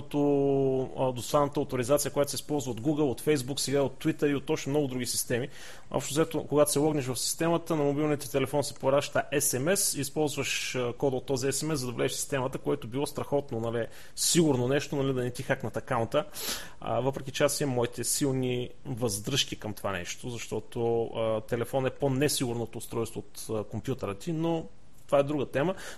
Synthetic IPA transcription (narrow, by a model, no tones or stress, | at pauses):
t̪o | d̪osvˠanət̪əot̪oɾizat̪sijəkojat̪ʊsɛispɔlˠzvəod̪ɡuɡəlˠot̪fɛjzbuksɛɡaiot̪ːvit̪əɾiot̪ːɔt͡ʃnomnɔɡʊd̪ɾuɡʲisi̥st̪ɛmi | ɔ̰pʃt̪ʊzɛt̪okoɡat̪o̥sɛlˠɔɡnɛʃ̬vɐfsi̥st̪ɛmət̪ənɐmobilˠnit̪ɛt̪ɛlɛfɔnsɛ̥poɾaʃt̪əʔɛsɛmɛsispɔlˠzvəʃkɔd̪əot̪ːɔziɛsɛmɛsɐd̪ɐvlɛ̰ʃsi̥st̪ɛmət̪əkoɛt̪obilˠɔst̪ɾɐxɔt̪nonɐli | siɡuɾnonɛʃt̪onɐlid̪ɐnɛt̪ixaknɐt̪ɐkaʊnt̪ə̰ | vɤpɾɛk̟it͡ʃɛasiɛmɔit̪ɛsilˠni | vɐzd̪ɾɤʃk̟ikɐmt̪ova̰nɛ̰ʃt̪ozɐʃt̪ɔt̪oət̪ɛlɛfɔnɛponɛsiɡʊɾnot̪oːst̪ɾɔjst̪voot̪əkompjut̪əɾət̪ino | t̪ovaɛd̪ɾuɡət̪ɛmə